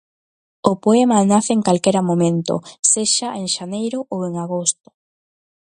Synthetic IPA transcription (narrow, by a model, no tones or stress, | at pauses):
ʊpoemanaθɪeŋkalkeɾamomẽnt̪ʊ̰seʃaʔeŋʃanejɾʊʔoweŋaɣost̪ʊ̥